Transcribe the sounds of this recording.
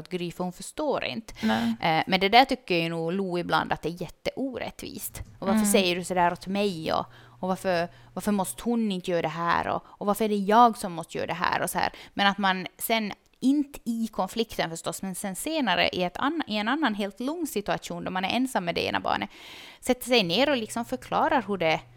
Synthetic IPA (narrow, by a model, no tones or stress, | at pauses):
t̪̚ɡɾyːfəhʊnfœʂtoːɾʔɪ̰nt̪ | mɛnd̪ɛd̪æːʈʏkːəjajnuːluːɪbla̰nd̪at̪̚d̪ɛːɾjɛt̪ːəʔuːɾɛ̰t̪ːvḭːst̪ʔɔvaɾfəʂsɛjːəɖɵsɔd̪æːɾɔt̪mɛjɔ̰ | ɔvaɾfœɾ | vaɾfəɾmɔst̪ə̥hʊnɪnt̪əjøːɾad̪ɛɦæ̰ːɾɔ̰ɔvaɾfəɾɛɖɛjɑːɡsɔmːɔst̪əjœ̰ːɾadɛɦæ̰ːɾɔsɔhæ̰ːɾmɛnat̪mansɛn | ɪnt̪ɪkʰɔnflɪkt̪ənfœʂʈɔsːmɛnsɛnseːnaɾə̰ʔɪɛt̪ʰa̰nːʔɪɛnanːanɦeːlt̪lɔŋːsɪt̪ʉaʂuːnd̪ɔmanæɾʔɛnsamːɛd̪ɛḛːna̰bɑ̰ːɳəsɛt̪ːəʂɛjneːɾɔlɪksɔmfœɾkʰlɑːɾaɾɦɵɖɛ